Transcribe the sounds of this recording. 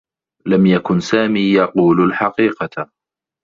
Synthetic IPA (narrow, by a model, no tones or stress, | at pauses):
lamjakʊnsaːmiːjɑquːlalħɑqiːqɑ